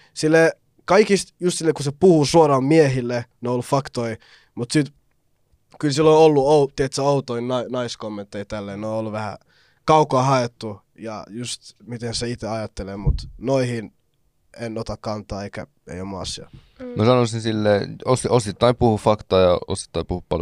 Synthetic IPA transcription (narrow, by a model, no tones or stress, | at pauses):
silːe | kɑikist̪just̪silːekusepuhusuorɑmmiehilːeneoolːufɑkt̪oi | mut̪sit̪ | kylsilːoolːuout̪iet̪sæout̪oinnɑinɑiskomːent̪ːeit̪ælːeːnoolːuʋæhæ̰ | kɑukoɑːˑhɑet̪ːu | jɑ̰just̪mit̪enseit̪eɑjɑt̪ːelemut̪noihin | enot̪ɑkkɑnt̪ˑɑːeikæ̰ | ḛiomːuɑ̰sːiɑ̰ | msɑnosinsilːeːososit̪ːɑimpuhufɑkt̪ɑːjɑ̰o̰si̥t̪ːɑimpuhuppɑ̰l